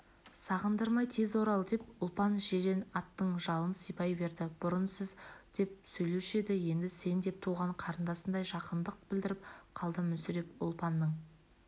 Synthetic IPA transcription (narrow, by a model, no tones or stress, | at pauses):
sɑʁənd̪əɾmɑjt̪ʰe̞zwo̞ɾɑlˠd̪e̞pʊlˠpɑnʒeɾe̞nɑt̪ːəɴʒɑlˠənsəjpɑjbe̞ɾd̪ɪb̥ʊɾənsəzd̪̥e̞p̚sɵjlewʃe̞d̪ɪje̞nd̪ɪse̞nd̪e̞p̚t̪ʰuʁɑɴqʰɑɾənd̪ɑsənd̪ɑjʒɑqənd̪əq̚b̥ɪld̪ɪɾɪp̚qʰɑlˠd̪əmʏnsʏɾe̞pʊ̰lˠpɑnːəɴ